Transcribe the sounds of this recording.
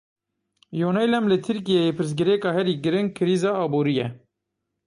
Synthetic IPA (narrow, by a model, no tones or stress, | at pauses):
joːnɛjlɛmlɨt̪ʰɨɾkijɛjeːpʰɨɾs̬ɡɨɾɛkɑːhɛɾiːɡɨɾɪnkʰɨɾiːzɑːɑːbuːɾijɛ